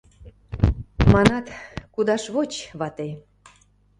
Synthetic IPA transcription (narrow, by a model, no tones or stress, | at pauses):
mɑnɑt̪kud̪ɑʃβot͡ɕβɑt̪e